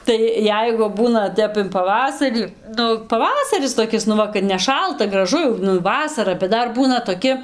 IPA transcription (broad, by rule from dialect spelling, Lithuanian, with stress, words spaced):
ˈtɐɪ ˈjɛɪɡʊ ˈbuːnɐ ˈtʲɛp ɪn pɐˈʋɑːsɐrʲiː ˈnʊ pɐˈʋɑːsɐrʲɪs toːˈkʲɪs nʊ ˈʋɐ kɐt nʲɛˈʃɐlˠtɐ ɡrɐˈʒʊ jɛʊ nʊ ˈʋɑːsɐrɐ bʲɛt ˈdɐr ˈbuːnɐ toːˈkʲɪ